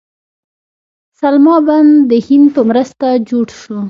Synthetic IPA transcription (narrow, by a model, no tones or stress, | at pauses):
salmɑband̪əhɪnd̪pəmɾəst̪ad͡ʒoɽʃu